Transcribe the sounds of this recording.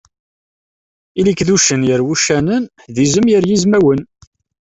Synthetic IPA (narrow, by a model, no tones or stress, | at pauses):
ilikðuʃənjəɾwuʃænən | ðizəmjəɾjizmæwən